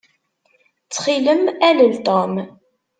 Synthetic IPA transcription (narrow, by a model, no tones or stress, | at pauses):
t͡sːχiləmæləlt̪om